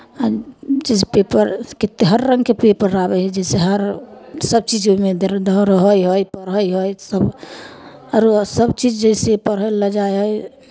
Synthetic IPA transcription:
ad͡ʒɛsepepəɾket̪ːeɦəɾːəŋɡkepepəɾːabɛɛd͡ʒɛseɦəɾsəb̚t͡ʃid͡ʒoimed̪ɾd̪əɾəɦəjɦojpəɾɦəjɦojsəb | əɾsəbt͡ʃid͡ʒd͡ʒəjsepəɾɦələd͡ʒajɦoj

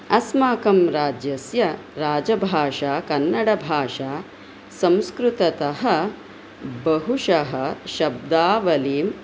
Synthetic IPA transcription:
ɐsmaːkɐmɾaːd͡ʒjɐsjɐɾaːd͡ʒɐbʱaːʂaːkɐnːɐɽɐbʱaːʂaː | sɐ̃mskɾut̪ɐt̪ɐɦɐ̆ | bɐɦuʂɐɦɐ̆ʃɐb̚d̪aːʋɐliːm

